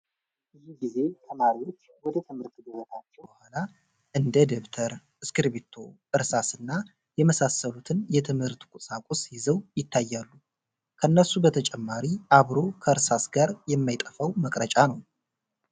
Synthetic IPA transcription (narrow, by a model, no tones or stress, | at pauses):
ʔɨjiɡize̞t̪ʰəmaɾiwo̞t͡ʃːwɔd̪ət̪ʰɨmhɨɾt̪ɡɨzot̪ʰat͡ʃːɛbəhʷala | ʔɨnd̪əd̪eβt̪ʰəɾ | ɨskɨɾβet̪ʰo̞ | ɨɾsasɨnːa | jɛməsasːəlut̪ʰɨnjɛt̪ʰɨmhɨɾt̪kʷʼusʼakʷʼusjɪzəwjɪt̪ʰːajːalːu | kʰəɨnːəsubət̪ʰət͡ʃʼɛmːaɾiʔaβɾo̞kʰəɨɾsasɡaɾjɛmːajt̪ʼəfəwməkʼɾət͡ʃʼanəw